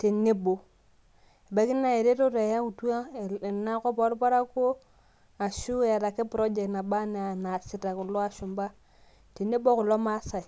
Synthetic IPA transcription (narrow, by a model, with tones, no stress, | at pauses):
te˨nːe˦bo˨ | e˨ba˨˦ki˦nːa˦e˨ɾe˦to˦to˨ja˦ku˨tu˦a˦˨na˦ko˦po˦ɾpa˦ɾa˦ko˦ | a˨ʃu˦ja˨ɾa˨ke˦pɾo˦d͡ʒe˨kna˨ɓa˦ne˨a˨na˨si˨ta˨ku˨lo˦a˨ʃu˨mba˦ | te˨ne˦bo˦ku˨lo˦ma˦sa˨i˨